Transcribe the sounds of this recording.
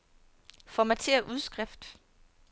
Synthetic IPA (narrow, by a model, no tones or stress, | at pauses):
fɒmæt͡sʰe̝̰ːɐʔuð̞ˠsɡ̥ʁɛfd̥